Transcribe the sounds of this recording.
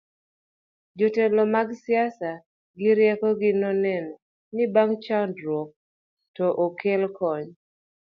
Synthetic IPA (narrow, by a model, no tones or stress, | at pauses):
d͡ʒotɛlɔmaɡsɪasa | ɡɪɾjɛkɔɡɪnɔnɛn | nɪbaŋt͡ʃaʊndɾwok̚ | tɔʔokelkɔɲ